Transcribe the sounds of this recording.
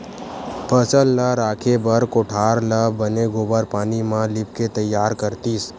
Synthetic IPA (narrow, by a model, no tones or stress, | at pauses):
pʰəsəlːəɾaːkʰebəɾkoʈʰaːɾləbəneɡoːbəɾpaːnimãlɪp̚ket̪əjːaːɾkəɾt̪iːs